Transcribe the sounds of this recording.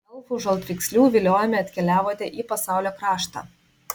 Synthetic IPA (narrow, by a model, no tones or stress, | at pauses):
ɐʊfʊʒɐlˠt̪ʲʋʲɪksʲlʲuːʋʲɪlʲoːjɛmʲɛɐt̪ʲkʲɛlʲæːʋoːt̪ʲɛʔiːpɐsɑˑʊlʲoːkɾɑːʃt̪ɑ̰ː